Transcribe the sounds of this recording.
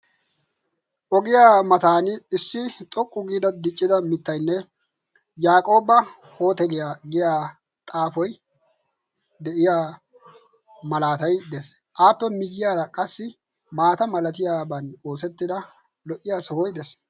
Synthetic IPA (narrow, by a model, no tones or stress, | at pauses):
ʔɔɡɪjaːmɐt̪aːnɪɪsːɪt̪ʼɔkʼːʊɡiːd̪ɐd̪ɪt͡ʃʼːɪd̪ɐmɪt̪ːɐjnːɛ | jaːkʼo̞ːbɐ | ho̞ːt̪ɛlɪjaːɡɪjaː | t̪ʼaːfɔj | d̪ɛʔɪjaː | mɐlaːt̪ɐjd̪ɛs | ʔaːpːɛmɪjːɪjaːɾɐkʼɐsːɪ | maːt̪ɐmɐlɐt̪ɪjaːbɐnoːsɛt̪ːɪd̪ɐ | lɔʔːɪjaːsɔhɔjd̪ɛs